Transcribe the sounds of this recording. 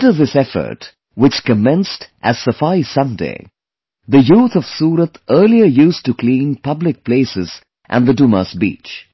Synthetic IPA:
tə˞ðɪsɛfə̰˞t | wɨt͡ʃkɨmɛ̃nstʔɨz̥səfaɪsʌ̃ndḛɪ | ðɨjuːθʌv̥suːɾət̪ʰɜː˞liəjustɨkʰl̥ĩnpʌblɪk̚pʰleɪsɪz | ʔæ̰̃nðəduməsbḭːt͡ʃ

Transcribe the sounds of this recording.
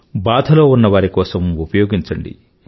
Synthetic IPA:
baːd̪ʱɐloːunːɐʋaːɾikɔːsɐmupɐjoːɡiɲt͡ʃɐɳɖḭ

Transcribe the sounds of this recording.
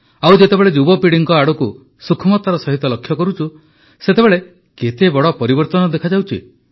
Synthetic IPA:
awd͡ʒet̪ebeɭed͡ʒubɔpiɽiŋkɔaɽuku | sukʰɔmɔt̪aɾɔsɔɦit̪ɔlɔkʰːjɔkɔɾut͡ʃʰu | set̪ebeɭe | ket̪ebɔɽɔpɔɾibɔɾt̪ɔnɔd̪ekʰad͡ʒawt͡ʃʰḭ

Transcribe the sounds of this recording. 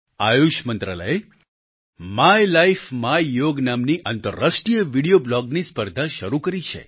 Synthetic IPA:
ajuʃmənt̪ɾalə̰j | majlaifmajjoɡnamniʔant̪əɾːasʈɾijəʋiɽijoblɔɡnispəɾd̪ʱaʃəɾukəɾit͡ʃʰḛ

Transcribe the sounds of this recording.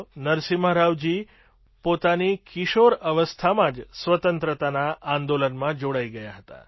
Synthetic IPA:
nəɾsiməɾaʋd͡ʒi | pot̪anikiʃoɾəʋəst̪ʰamãd͡ʒsʋət̪ənt̪ɾət̪anaʔːnd̪olənmãd͡ʒoɽaiɡəjaɦət̪a̰

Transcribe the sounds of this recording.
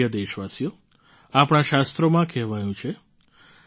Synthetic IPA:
əd̪eʃʋasijo | apɽ̃aʃast̪ɾomãkɛɦʋajũt͡ʃʰe

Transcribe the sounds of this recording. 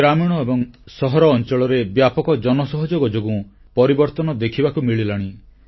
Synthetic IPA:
ɾamiɽ̃ɔebɔŋsɔɦɔɾɔːnt͡ʃɔɭɔɾebjapɔkɔd͡ʒɔnɔsɔɦɔd͡ʒoɡɔd͡ʒoɡũ | pɔɾibɔɾt̪ɔnɔd̪ekʰibakumiɭilaɽ̃i

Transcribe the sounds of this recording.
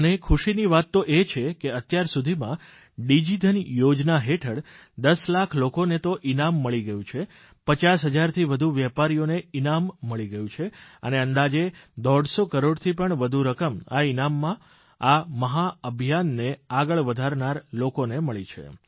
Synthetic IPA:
ənekʰuʃiniʋat̪ːoʔet͡ʃʰekeət̪jaɾsud̪ʱimã | ɖid͡ʒid̪ʱənjod͡ʒnaɦeʈʰəɽ | d̪əslakʰlokonet̪oʔinamːəɭiɡəjũt͡ʃʰe | pət͡ʃasɦəd͡ʒaɾt̪ʰiʋəd̪ʱuʋjɛpaɾijoneinamːəɭiɡəjũt͡ʃʰeə̰neənd̪ad͡ʒed̪ɔɽsokəɾoɽt̪ʰipəɳʋəd̪ʱuɾəkəma̰inamːã | aməɦaəbʱijanːeaɡəɭʋəd̪ʱaɾnaɾlokoneməɭit͡ʃʰḛ

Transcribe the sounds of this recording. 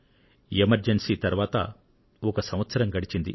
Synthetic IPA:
emɐɾd͡ʒensiːt̪ɐɾuʋaːt̪ɐ̰ | ɔkɐsɐmʋɐt̪sɐɾɐmɡɐɽit͡ʃind̪ḭ

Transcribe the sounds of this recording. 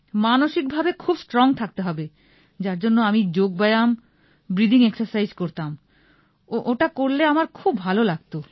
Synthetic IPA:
manoʃik̚bʱabekʰubsʈɾɔŋt̪ʰak̚t̪eɦɔbe | d͡ʑaɾd͡ʑonːoamid͡ʑoɡ̚bajam | bɾid̪ʱiŋeksaɾsajzkoɾt̪am | oʔoʈakoɾleamaɾkʰubʱalolaɡt̪o

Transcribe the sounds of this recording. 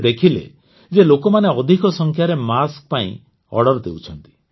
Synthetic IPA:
d̪ekʰilḛ | d͡ʒelokɔmaneɔd̪ʱikɔsɔŋkʰjaɾemask̚paḭ̃ | ɔ̰ɽɔɾd̪ewt͡ʃʰɔnt̪i̥

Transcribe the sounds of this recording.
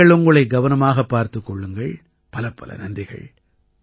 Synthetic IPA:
ɐɭʊŋɡɯɭɐɪɡɐʋɐnɐmaːɣɐpːaːɾt̪ɯkːɔɭːɯŋɡɐɭ | pɐlɐpːɐ̰lʔɐ̰nɐndrɪɣɐ̰ɭ

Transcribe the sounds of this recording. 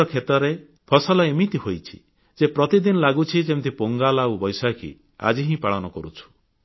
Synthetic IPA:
ɔkʰet̪ɔɾe | pʰɔsɔlɔimit̪iɦojt͡ʃʰi̥̰ | d͡ʒepɾɔt̪id̪inɔlaɡut͡ʃʰid͡ʒemt̪ʰipoŋɡalaubɔjsakʰḭ | a̰d͡ʒiɦĩpaɭɔnɔkɔɾut͡ʃʰu̥

